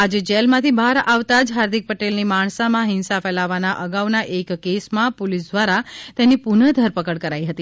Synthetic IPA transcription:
ad͡ʒed͡ʒelmãt̪ʰibʱaɾaʋt̪ad͡ʒɦaɾd̪ik̚pəʈelnimaɳ̃samãɦɪnsafɛlaʋanaʔəɡaʋnaʔekːesmãpolisd̪ʋaɾat̪enipunəd̪ʱəɾpəkəɽkəɾaiɦət̪i

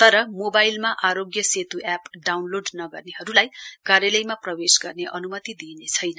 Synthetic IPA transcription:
t̪ʌɾʌmobajlmaʔaɾoɡjʌset̪uʔapɖawnloɖnʌɡʌrneɦhʌɾulajkarjʌlʌjmaprʌwesɡʌrneʔʌnumʌt̪id̪inet͡sʰʌjnʌ

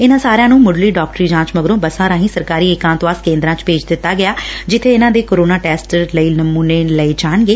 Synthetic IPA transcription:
ɪnãːsaːɾeãːnũːmʊɖliːɖɔːk̚ʈɾiːd͡ʒãːt͡ʃməɡɾõːbəsãːɾãːɦĩːsəɾkaːɾiːɪkãːnt̪ʋaːskẽːnd̪ɾãːt͡ʃpeːd͡ʒd̪ɪt̪ːaːɡɪjaːd͡ʒɪt̪ʰːeːɪnãːd̪eːkoːɾoːnaːʈɛːsʈɾləiːnəmuːneːləiːd͡ʒaːɳɡeː

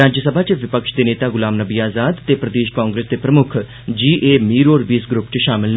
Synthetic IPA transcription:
ɾaːd͡ʒəsəbʱaːt͡ʃʋɪpəkʃd̪eːneːt̪aːɡʊlaːmnəbiːaːzaːd̪t̪eːpɾəd̪eːʃkãːŋɡɾeːsd̪eːpɾəmʊkʰ | d͡ʒiːʔeːmiːɾoːɾbiːsɡɾʊpt͡ʃʃaːmɪln

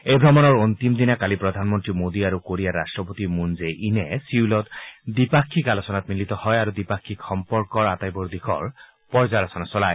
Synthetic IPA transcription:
ejbʱɹɔmɔnɔɹont̪imd̪inakalipɹɔd̪ʱanmɔntɹimod̪iaɹukoɹiaɾastɹɔpot̪imunzeʔinɛsiulɔt̪d̪ipakʰːikalɔsɔnat̪milit̪ɔhɔjaɹud̪ipakʰːikxʰɔmpɔɹkɔɹat̪ajbɔɹd̪ikʰɔ̰ɹ | pɔɹzalɔsɔnasɔlaj

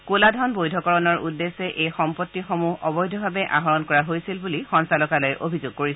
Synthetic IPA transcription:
koladʱɔnbojdʱɔkɔɹɔnɔɹʔṵdːesɛʔejxɔmpɔtːixomuɦɔbɔjdʱɔbʱabɛʔa̰ɦɔɹɔnkɔɹaɦojsilbulixɔnsalɔkalɔjʔobʱizoɡ̚koɹis

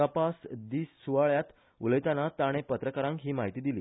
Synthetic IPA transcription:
əpasd̪iːsːuʋaɭjat̪ | uləjt̪anat̪aɽ̃epət̪ɾəkaɾãŋkɦiːmaɦit̪iːd̪iliː

